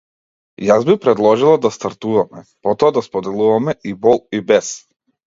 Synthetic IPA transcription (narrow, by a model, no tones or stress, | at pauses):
jazbipɾɛd̪lˠɔʒilˠad̪ast̪aɾt̪uvamɛpɔt̪ɔad̪aspɔd̪ɛlˠuvamɛʔibɔlˠibɛs